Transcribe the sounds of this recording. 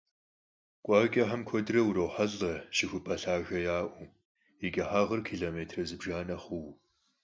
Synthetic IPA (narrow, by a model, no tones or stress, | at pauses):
kʷʼɑːɡʲʼɐħɐmkʷʰɔdrɐwuɾɐwħɐɮɐʃɪxʷʊpʰɐɬaːɣɐjaːʔʷu | ɪɡʲɐħaːʁɐrkʰiːɮoːmeːtʰrɐzɨbʒaːnɐχʷʊw